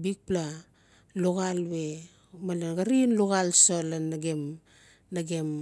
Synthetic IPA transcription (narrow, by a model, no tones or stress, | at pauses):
bik̚pla | loɣalwe̞ | malonɡaɾinloɣalsolanaɡem | naɡem